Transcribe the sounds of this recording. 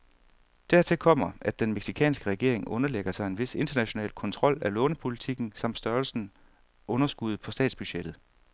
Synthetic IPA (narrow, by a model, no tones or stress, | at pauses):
d̥æɐ̰t͡sʰe̝kʰɒ̽m̰ɐæd̥ːenmeɡ̥sikʰɛ̰ːnsɡ̥əʁɛɡ̥e̝ɐ̰e̝ŋɔ̽nɐleɡ̥ɐsɑ̈ɪe̝nʋe̝se̝nd̥ɐnæɕo̝nɛ̰ːlkʰɒ̽nt͡sʰʁɒ̽l̰ælɔ̽ːnəpʰo̝lit͡sʰiɡ̥n̩sɑ̈m̰d̥sd̥ɶːɐlsn̩ | ʔɔ̽nɐsɡ̥uð̞̩ˠpʰɒ̽sd̥ɛ̰ːd̥sb̥yɕed̥ð̩ˠ